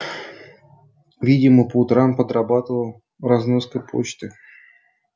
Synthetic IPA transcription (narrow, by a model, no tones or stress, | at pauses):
vʲidʲɪməpəʊt̪ɾampəd̪ɾabat̪əvə | raznoskəjpʰo̰t͡ɕt̪ɨ